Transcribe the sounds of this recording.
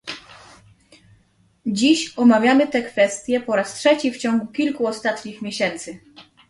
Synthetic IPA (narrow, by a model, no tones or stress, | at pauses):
d͡ʑiɕɔmavʲjamɘt̪ɛkfɛst̪ʲjɛpɔɾastʂɛt͡ɕift͡ɕɔŋɡukʲilkuɔst̪at̪ɲixmʲjeɕɛnt̪sɘ